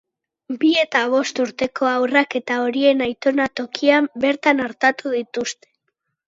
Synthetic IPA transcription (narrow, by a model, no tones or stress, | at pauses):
bie̞t̪aβ̞o̞st̪uɾt̪e̞kʰo̞awrake̞t̪ao̞ɾie̞najt̪o̞nat̪o̞kʰiambe̞ɾt̪anaɾt̪at̪uðit̪ust̪e̞̥